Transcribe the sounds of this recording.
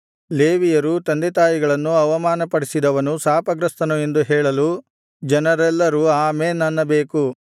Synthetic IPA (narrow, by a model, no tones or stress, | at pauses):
leːʋijɐɾut̪ɐnd̪ɛt̪aːjiɡɐɭɐnːuɐʋɐmaːnɐpɐɽisid̪ɐʋɐnusaːpɐɡɾɐst̪ɐnue̞nd̪uɦɛːɭɐlu | d͡ʒɐnɐɾɛlːɐɾuaːmeːnɐnːɐbeːku